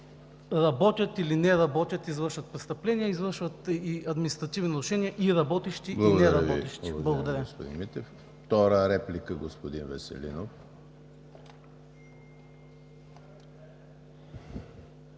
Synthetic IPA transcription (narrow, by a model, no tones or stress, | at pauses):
ɾɐbɔt̪ʲjɐt̪ilinɛɾɐbɔt̪ʲɐt̪izvəɾʃvɐt̪̚pɾɛst̪ɐplɛnijəizvəɾʃvət̪iɐd̪minʲist̪ɾɐt̪ivninɐɾuʃɛniɐʔiɾɐbɔt̪ɛʃt̪iblˠiɡnɛɾɐɔt̪ɛʃt̪iblˠɐɡod̪ɐɾʲəosppod̪ḭnmit̪ɛf | ft̪ɔɾəɾɛplikəɡospod̪invɛsɛ̰lḭnof